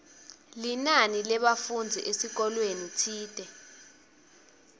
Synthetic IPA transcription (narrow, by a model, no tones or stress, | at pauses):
linanilɛɓafund͡zʱiʔesik̬ɔlwenitʰiːtʼɛ